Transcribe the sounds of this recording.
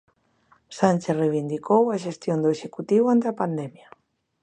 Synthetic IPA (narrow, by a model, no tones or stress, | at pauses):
sanʲt͡ʃereβ̞ind̪ikowaʃest̪jond̪oeʃekut̪iwant̪eapand̪ɛmja